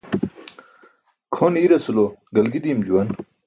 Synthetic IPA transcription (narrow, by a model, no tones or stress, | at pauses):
kʰoniɾɐsuloɡɐlɡid̪imd͡ʑuwɐn